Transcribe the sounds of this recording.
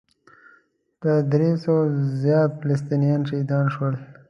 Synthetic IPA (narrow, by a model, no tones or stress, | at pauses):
t̪əd̪ɾesozjɑːt̪fɪles̬t̪inijɑnʃed̪ɑːnʃwəl